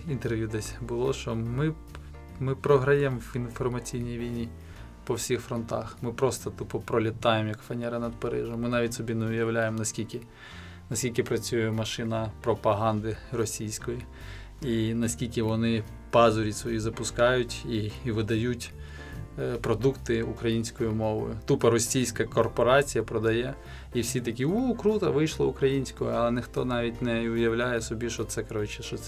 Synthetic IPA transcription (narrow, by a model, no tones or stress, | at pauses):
int̪erʋʲjud̪ɛsʲbʊlˠɔʃt͡ʃɔmɪ | mɪpɾɔɦɾɐjɛmʋinfɔrmɐt͡sʲijnʲijʋʲijnʲi | pɔwsʲixfɾɔnt̪ɑ̰xmɪpɾɔst̪ɔt̪upɔpɾɔlʲɪt̪ɑjemjɐkfɐnʲɛɾɪnɐd̪̚pɐɾɪ̰ʒɔmmɪnɑʋʲit̚ʲsɔbʲinɛʊjɐwlʲajemnɐsʲkʲilʲkʲɪ | nɐsʲkʲilʲkʲɪpɾɐt͡sʲujɛmɐʃɪnɐpɾɔpɐɦɑnd̪ɪrɔsʲijsʲkɔji | inɐsʲkʲilʲkɪʋɔnɪ | pɑzɔɾʲisʋɔjizɐpʊskɑjʊtʲiʋɪd̪ɐjutʲ | pɾɔd̪ukt̪ɪukɾɐjinʲsʲkɔjimɔʋɔ̰jʊt̪upɐɾɔsʲijsʲkɐkɔrpɔɾɑt͡sʲijɐpɾɔd̪ɐjɛ | iwsʲit̪ɐkʲiukɾut̪ɐʋɪjʃlˠɐʊkɾɐjinʲsʲkɔɔɐlˠɛnɪxt̪ɔnɑʋʲitʲnɛʊjɐwlʲajɛsɔbʲiʃɔt̪sɛkɐɾɔt͡ʃɪ̥ʃɔt̪s